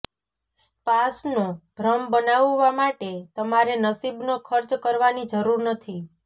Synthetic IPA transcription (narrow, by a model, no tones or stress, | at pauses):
spasnobʱɾəmbənaʋːamaʈet̪əmaɾenəsibnokʰəɾt͡ʃkəɾʋanid͡ʒəɾuɾnət̪ʰi